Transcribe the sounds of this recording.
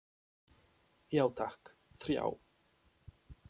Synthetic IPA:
jawt̪ʰakθɾja̰w

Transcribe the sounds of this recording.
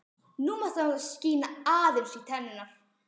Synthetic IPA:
numaθasciːnaaːðɪlɬit̪ʰɛnna

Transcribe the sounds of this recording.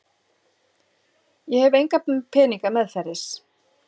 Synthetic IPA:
jɛhɛvejŋkapʰɛːniŋkamɛðθɛɾɪs

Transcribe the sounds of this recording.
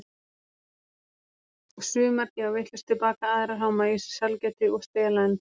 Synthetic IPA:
ɔɣsʏːmaɾc̪ɪawvɪht̪lʏst̪ʰɪlpaːkaaːðɪɾaɦawmaisʏ̥salcɛt̪ɪɔɣst̪ɛlan

